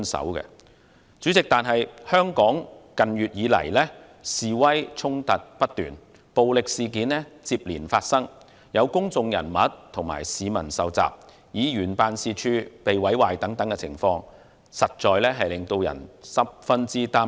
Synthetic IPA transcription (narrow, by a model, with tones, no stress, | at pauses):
nsɐ̰˨˥wkɛ̰˧ | t͡syː˨˥t͡sɪ˨k̚t̪aː˨nɦɐ˨jhœː˥ŋkɔː˨˥ŋkɐ˨njyː˨t̚jiː˨˧˥lɐ̰˨˩jlɛː˥ | siː˨wɐ˥jt͡sʰʊ˥ŋt̪ɐ˨t̚pɐ˥t̚t̪yː˨n | po˨wlɪ˨k̚siː˨˧k̬iː˨˥nlɛː˥t͡siː˧p̚liː˨˩nfaː˧t̚sɐ˥ŋ | jɐ˨˧wkʊ˥ŋt͡sʊ˨ŋjɐ̰˨˩nmɐ˨˥t̚t̪ʰʊ˨˩ŋma̰ː˨˩jsiː˨˧mɐ˨˩nsɐ˨wt͡sa̰ː˨p̚ | jiː˨˧jyː˨˩npaː˨˧nsiː˨˧t͡ʃʰyː˧pe˨jwɐ˨˥jwaː˨jt̪ɐ˨˥ŋt̪ɐ˨˥ŋkɛ˧t͡sʰɪ̰˨˩ŋfɔː˧ŋ | sɐ˨t̚t͡ʃɔː˨jlɛː˥ɦɐ˨jlɪ˨ŋt̪o˧wjɐ̰˨˩nsɐ˨˥p̚fɐ˥nt͡siː˥t̪aː˥